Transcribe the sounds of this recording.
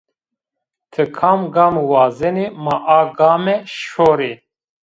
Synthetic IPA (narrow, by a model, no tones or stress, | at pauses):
t̪ʰɨkʰaːmɡaːmuwaːzɛnemaʔaːɡaːmɛʃoːɾeː